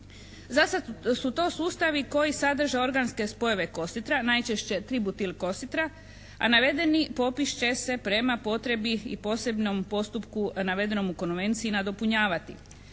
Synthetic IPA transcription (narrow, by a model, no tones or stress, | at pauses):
zasasut̪o̞ːsuːst̪aʋiko̞jisad̪r̩ʒao̞ɾɡanske̞spo̞je̞ʋe̞ko̞st̪it̪ɾanajt͡ʃe̞ʃt͡ɕe̞t̪ɾibut̪ilko̞st̪it̪ɾa | a̰naʋe̞d̪e̞nipo̞piʃt͡ɕe̞se̞pɾe̞mapo̞t̪ɾe̞biḭpo̞ːse̞bno̞mpo̞st̪upkunaʋe̞d̪e̞no̞muko̞nʋe̞nt̪siinad̪o̞puɲaːʋat̪ḭ